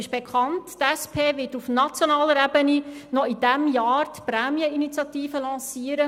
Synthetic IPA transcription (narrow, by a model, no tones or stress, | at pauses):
ɪʃb̥ekχɑnttɛspʰeːvɪtufnɑt͡sjonɑːləɾɛbəninɔid̥æmjaːɾtpɾɛːmiəinit͡sjɑtiːfəlɑ̃ːsiːəɾə